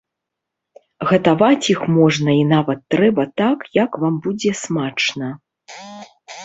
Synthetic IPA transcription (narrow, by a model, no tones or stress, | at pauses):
ɣɐt̪avat͡sʲjixmɔʐnɐinavɐt̪ːɾɛbɐt̪akjɐkvambud͡zʲɛsmat͡ʂnɐ